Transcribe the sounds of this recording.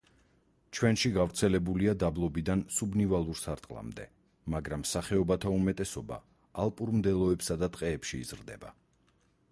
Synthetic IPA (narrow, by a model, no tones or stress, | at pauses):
t͡ʃʰwɛnʃiɡavɾt̪sʰɛlɛbuliad̪ablˠɔbid̪ansubnivalˠuɾsaɾt̪ʼqʼlˠa̰md̪ɛ̰ | maɡɾamːsaχɛɔbat̪ʰaumɛt̪ʼɛsɔba̰ː | lˠpʼuɾmd̪ɛlˠɔɛpsad̪at̪ʼqʼɛːpʃḭːz̥ɾd̪ɛ̰ba̰